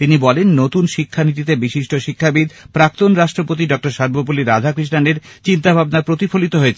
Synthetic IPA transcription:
t̪inibɔlenːot̪unʃikʰːanit̪̬it̪ebiʃiʃʈoʃikʰːabid̪pɾak̚t̪onɾaʃʈɾopot̪iɖɔk̚ʈaɾʃaɾbopuliɾad͡ʑʱakɾiʃʈaneɾt͡ɕint̪abʱabnapɾot̪ifolit̪oɦoet͡ɕʰ

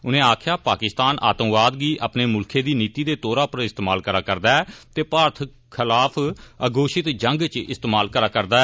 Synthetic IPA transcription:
ʊnẽːaːkʰjaːpaːkɪst̪aːnʔa̰ːt̪ə̃mʋaːd̪ɡiːʔə̰ːpneːmʊlkʰeːd̪iːniːt̪iːd̪eːt̪oːɾaːpəɾɪst̪eːmaːlkəɾaːkəɾd̪aːɛːt̪eːpaːɾt̪ʰ | kʰɪlaːpʰəɡoːʃɪt̪d͡ʒəŋɡt͡ʃɪ̰st̪eːmaːlkəɾaːkəɾd̪aː

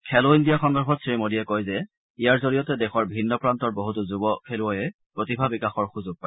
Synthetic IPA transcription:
kʰɛloindijaxɔŋdɔɹpʰɔtsɹimodijɛkojzɛ | ijaɹzoɹijɔtɛdɛxɔɹbʱinːɔpɹantɔɹboɦutuzubɔkʰelʊɔjɛ | pɹotibʱabikaxɔɹxuzʊɡ̚paj

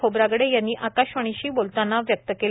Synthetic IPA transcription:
obɾaɡɽejanːiːʔakaɕʋəɽ̃iɕiːbolt̪anːaʋjək̚t̪əkel

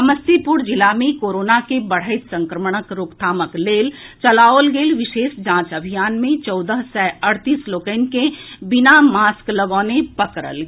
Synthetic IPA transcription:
əməst̪ipʊɾd͡ʒɪlamẽkoːɾoːnakebəɽ̤əɪt̪sə̃ŋkɾəmɽ̃əkɾoːkt̪ʰaːməkleːlt͡ʃəlaːolɡeːlʋɪʃeːsd͡ʒãːt͡ʃəbʱijaːnmẽt͡ʃɔːd̪əɦsɛəɽt̪iːsloːkəɪnkebɪnamaːskləɡɔːnepəkɾə̰lɡ

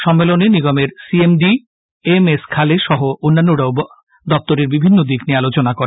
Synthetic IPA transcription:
ʃɔmːeloneniɡɔmeɾsiemɖi | emeskʰaleʃɔɦoʔonːanːoɽaob | d̪ɔp̚t̪oɾeɾbibʱinːod̪iknialot͡ɕonakoɾe

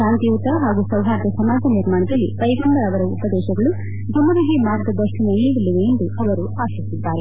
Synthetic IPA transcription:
ʃaːnt̪iut̪ɐɦaːɡusɐwɦaːɾd̪ɐsɐmaːd͡ʒʱɐniɾmaːɳɐd̪ɐlːḭpɐjɡumbɐɐʋɐɾɐupɐd̪ɛːʃɐɡɐɭu | d͡ʒʱɐmɐd̪ɐɦimaːɾɡɐd̪ɐʂɐnɐjiːɡɐlːiʋeend̪uɐʋɐɾuaːsisid̪ːaːɾe

